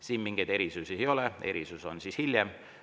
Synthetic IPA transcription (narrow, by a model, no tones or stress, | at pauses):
siːnmiŋɡ̥ejd̪e̞ɾisusiejo̞leeɾisuso̞̰nsishilʲjem